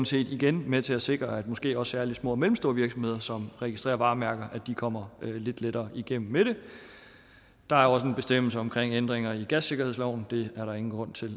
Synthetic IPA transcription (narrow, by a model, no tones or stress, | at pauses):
nse̝̰ːd̥iɡ̥enmet͡sʰe̝æse̝ɡ̥ʁɐæd̥mɒ̽sɡ̥e̝̰ːɒ̽sːæːɐli̥smɔ̰̽ːmelm̩sd̥o̝ːɐʋiɐɡ̥sɒ̽mhe̝ðˠɐsɒ̽mʁɛɡ̥isd̥ʁḛːɐʋɑ̈ːmæɐɡ̥ɐʔæd̥ikʰɒ̽m̰ɐle̝d̥led̥ɐːʔiɡ̥em̰m̩meɾ̥e̝ | d̥ɑ̈æɐɒ̽s̬əe̝nb̥e̝sd̥em̰l̩səɒ̽mkʰʁeŋ̰end̥ʁeŋɐiɡ̥æsːe̝ɡ̥ɐɦe̝slɒʊ̰n̩d̥e̝æɐɾɑ̈e̝ŋn̩ɡ̥ʁɔ̽n̰t͡sʰe̝l